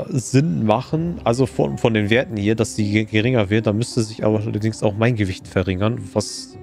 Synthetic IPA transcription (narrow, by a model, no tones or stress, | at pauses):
zɪnmaχən̩ʔalzofɔ̰nfɔndeːnveːɐtn̩hiːɐd̥asz̥iːɡəʁɪŋɐvɪɐtd̥aːmʏstəzɪçʔa̰ːbɐɐdɪŋsaʊxmaɪnɡəvɪçtfɛɐʁɪŋɐnvas